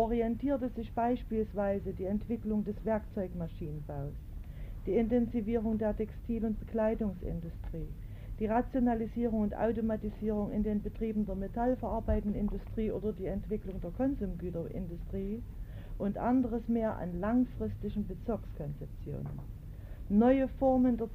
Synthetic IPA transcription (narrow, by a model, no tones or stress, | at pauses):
ʔɔʁiɛntʰiːɐtəzɪçb̥aɪʃpiːlsv̥aɪzədiːɛntv̥ɪklʊŋdɛsv̥ɛɐkt͡sɔʏkmaʃiːnənbaʊs | d̥iːɪntɛnziviːʁʊŋdeːɐtʰɛkstʰiːlʊnt̚b̥əkl̥aɪdʊŋsɪ̰ndʊstʁ̥iː | d̥iːʁat͡sjonaliziːʁʊŋʊntʔa̰ʊtomatiziːʁ̞ʊŋɪ̰ndeːnbətʁ̥iːbn̩deːɐmetʰalfɛɐʔaɐbaɪtn̩ɪndʊstʁ̥iːʔo̰ːdɐdiːɛntv̥ɪklʊŋdeːɐkʰɔnzʊmɡyːtɐʔɪ̰ndʊstʁ̥iː | ʔʊntʔandəʁəsmeːɐʔa̰nlaŋfʁ̥ɪstɪçn̩bət͡sɪɐkskʰɔnt͡sɛp̚t͡sjo̰ːnə̰n | nːɔʏəfɔɐməndeːɐ